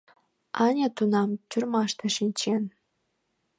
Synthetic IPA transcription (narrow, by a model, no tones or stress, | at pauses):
ɑnʲet̪unɑmt͡ɕurmɑʂt̪ʰɑ̆ʃinʲt͡ɕen